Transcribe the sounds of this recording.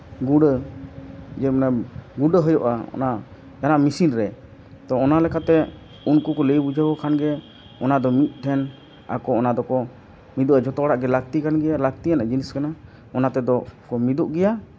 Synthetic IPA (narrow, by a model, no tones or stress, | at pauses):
ɡuɖə | d͡ʒɛmnaɡuɖəɦəjɔʔa̰ɔ̰na | janaʔmisinɾɛ | t̪ɔːnalɛkʰat̪ɛ | unkukɔləjbud͡ʒʱəbɔkʰanɡɛ | ɔnad̪ɔmit̪̚ˀʈ̪ʰɛn | a̰kɔɔnad̪ɔkɔ | mid̪uʔad͡ʒɔt̪ɔɽaʔɡɛlak̚t̪ikanɡɛjalak̚t̪ijanad͡ʒiniskana | ɔnat̪ɛd̪ɔkɔmid̪uʔɡɛja